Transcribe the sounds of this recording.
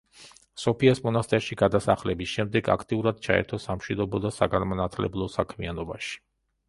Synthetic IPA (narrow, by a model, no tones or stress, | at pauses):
sɔpʰiasmɔnast̪ʼɛɾʃiɡad̪asaχlɛbisʃɛmd̪ɛɡa̰kʰt̪ʼiuɾad̪̥̚t͡ʃʰaɛ̰ɾt̪ʰɔsamʃwid̪ɔbɔd̪asaɡanmanat̪ʰlɛ̰blˠɔsakʰmianɔbaʃi̥